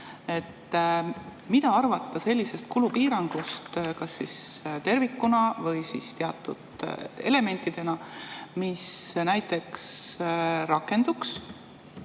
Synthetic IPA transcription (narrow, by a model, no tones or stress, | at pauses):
e̞t̪ː | mit̪ɑɑrvɑt̪ˑːɑse̞lʲːise̞st̪̚kulupiːɾɑŋɡ̥ust̪kɑsːist̪e̞rvikːunɑvɤjsist̪eɑt̪ːˑṵd̪̥e̞̰le̞me̞nʲt̪ːˑid̪̥e̞nɑmisnæjt̪ːˑe̞ks | ɾɑkːˑe̞nd̪̥uks